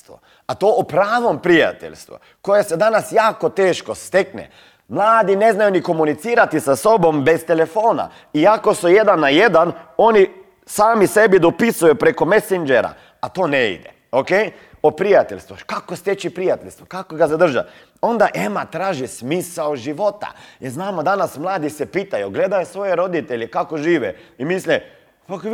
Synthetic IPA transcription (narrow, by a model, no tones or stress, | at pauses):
t̪ṵ | at̪oːopɾaːʋompɾija̰t̪ḛʎʲst̪ʋṵ | ko̞jesed̪anasjaːko̞t̪eːʃkost̪eknḛ | mlˠaːd̪ine̞znajuniko̞munit̪siːɾat̪isaso̞bo̞mbest̪elefo̞ːna̰ | iako̞suje̞d̪anːaje̞d̪ano̞ni | saːmisebid̪opisujupɾekomesind͡ʒeɾa̰ | at̪oːneḭd̪ḛ | okej | opɾijat̪eʎʲst̪ʋukakost̪jet͡ʃipɾijat̪eʎʲst̪ʋukakoɡased̪r̩ʒa̰ | o̞nd̪aʔemat̪ɾaːʒismiːsaoʒiʋo̞t̪a̰jeɾznaːmod̪anasmlˠaːd̪isepiːt̪ajuɡle̞d̪ajosʋo̞jeɾo̞d̪it̪eʎekakoʒiːʋɛimisle | pak